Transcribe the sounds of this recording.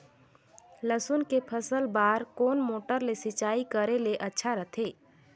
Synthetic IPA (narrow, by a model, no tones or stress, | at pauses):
ləsunkepʰəsəlbaːɾkoːnmoːʈəɾlesɪt͡ʃaːikəɾeleʔətːʃʰaɾət̪ʰeː